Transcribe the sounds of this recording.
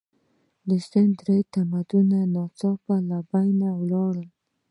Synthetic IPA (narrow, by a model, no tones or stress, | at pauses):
d̪əst̪ənd̪ɾejt̪amad̪unanɑt͡sɑpalabajnawlɑɽəl